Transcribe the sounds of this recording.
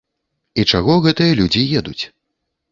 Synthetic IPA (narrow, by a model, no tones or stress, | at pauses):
it͡ʂaɣɔɣɛt̪ɨjɐlʲud͡zʲijɛd̪ut͡sʲ